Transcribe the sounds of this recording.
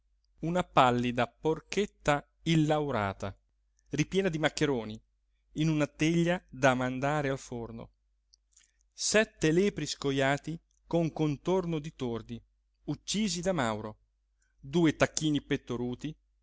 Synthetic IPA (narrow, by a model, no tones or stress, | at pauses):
unapalːid̪aporket̪ːa | ilːawɾa̰ːt̪a | ripjɛːnad̪imakːeɾoːniː | nunat̪eʎːad̪amand̪aːɾealforno̰ | sɛt̪ːelɛːpɾiskojaːt̪i | koŋkont̪ornod̪it̪ord̪i | ut͡ʃːiːzid̪amawɾo | d̪uːet̪akːiːnipet̪ːoɾuːt̪i